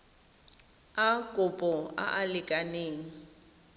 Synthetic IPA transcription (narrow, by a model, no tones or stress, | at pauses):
akʼʊpʼɔa̰ʔalɪkʼaneːŋ̩